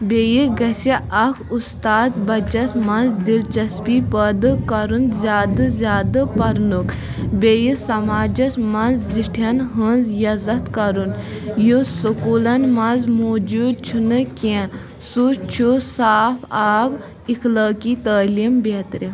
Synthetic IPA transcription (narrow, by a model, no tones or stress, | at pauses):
beːjiɡɐsiʔɐkʰust̪aːd̪bɐt͡ʃɐsmɐnzd̪ilt͡ʃɐspiːpəːd̪ɨkɐɾunzʲjaːd̪ɨzʲjaːd̪ɨpɐɾnuk | beːjisɐmaːd͡ʒɐsmɐnzziʈʰjɐnɦənzjɐzɐt̪kɐɾunjosukuːlɐnmɐ̃nzmoːd͡ʒuːd̪̚t͡ʃʰunɨkẽ | sut͡ʃʰusaːfaːb | ixʰlaːkiːt̪əːlimbeːt̪ɾi